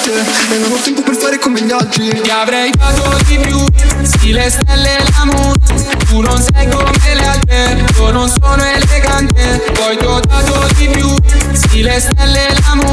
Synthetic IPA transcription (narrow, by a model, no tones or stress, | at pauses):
bɛnoolt̪ɛmpopeɾst̪aːɾekomeʎːɔd͡ʒːit̪iavɾɛjfaːt̪od̪ipjusilest̪ɛlːelamoɾ | t̪unonsɛɡonelealt̪ɾe | iononsoːnoeleɡant̪e | pɔjt̪ot̪aːt̪od̪ipjusilest̪ɛlːelamo